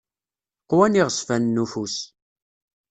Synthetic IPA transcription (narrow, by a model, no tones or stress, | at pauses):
qwæniʁəsfænːufus